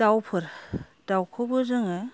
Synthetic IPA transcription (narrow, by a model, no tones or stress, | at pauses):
dawpʰɯɾ | d̥awkʰɯbɯzɯŋe